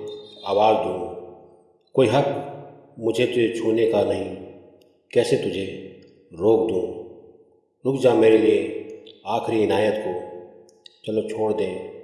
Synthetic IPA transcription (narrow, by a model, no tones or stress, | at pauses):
aːʋaːld̪ũː | koːiɦət̪ | mʊd͡ʒʱet̪ʊd͡ʒʱet͡ʃʰuːnekanəɦĩ | kɛːset̪ʊd͡ʒʱe | ɾoːk̚d̪ũː | ɾʊkd͡ʒameːɾelieaːkʰɾiɪnaːjət̪ko | t͡ʃəlot͡ʃʰoːɽd̪ẽː